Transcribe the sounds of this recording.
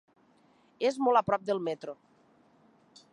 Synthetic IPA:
ezmolˠapɾɔp̚d̪elˠmɛt̪ɾo

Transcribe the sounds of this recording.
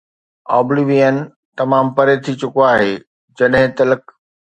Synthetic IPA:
ɔ̰ːbliʋiːən | t̪ɐmaːmpɐɾet̪ʰit͡ɕʊkoaːɦeː | d͡ʑɐɗɦɪ̃t̪ɐlək

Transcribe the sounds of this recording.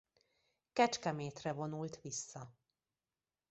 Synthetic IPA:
kɛt͡ʃkɛmeːt̪rɛvo̞nult̪ʋisːɒ

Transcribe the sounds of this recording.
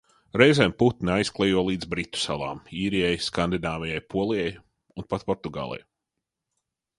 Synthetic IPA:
ɾɛjzɛːmput̪nʲajsklˠɛjuɔlˠiːd̪zbɾit̪ːu̥salˠa̰ːmiːɾijɛjskand̪inaːvɛjɛjpʰuɔlˠijɛj | unpat̪pɔɾt̪uɡa̰ːlˠɛ̰j

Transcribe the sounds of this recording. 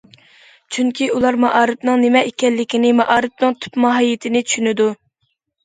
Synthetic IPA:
t͡ʃʰyŋkʲiulˠɑɾmɑʔɑːɾɨpnɨŋnɪmɛekʲɛnlːɪkʲinɪmɑʔɑːɾɨp̚nɨŋt̪ʰy̥pmɑɦɑjɪt̪ʰɪnɪt͡ʃʰy̥ʃynɪd̪u

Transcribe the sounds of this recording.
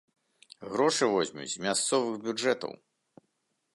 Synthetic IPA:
ɣɾɔʂɨvɔzʲmʲṵd͡zʲzmʲast̪sɔvɨɣbʲud͡ʐɛt̪ɐ̰w

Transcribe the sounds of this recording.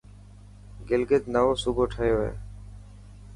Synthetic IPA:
ɡɪlɡɪd̪nəʋoːsʊbʱoːʈʰəɦjoːɦḛː

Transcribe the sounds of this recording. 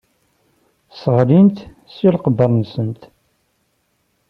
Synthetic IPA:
səʁlint̪ | silqədəɾˤnsənt̪

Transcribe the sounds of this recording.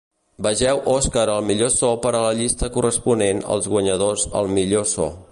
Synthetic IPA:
bəʒɛwʔɔskəɾəlˠmiʎosɔpəɾələʎist̪əkurəspunenə̰lˠzɣwəɲəðozə̰lˠmiʎosɔ̰

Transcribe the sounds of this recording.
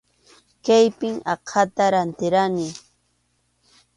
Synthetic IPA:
kajpɪŋɑqʰat̪aɾant̪ɪɾanɪ

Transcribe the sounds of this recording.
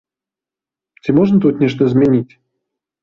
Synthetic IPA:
tʲɪmoʐnət̪ut̪nʲɛʂnəɪzmʲɪnʲitʲ

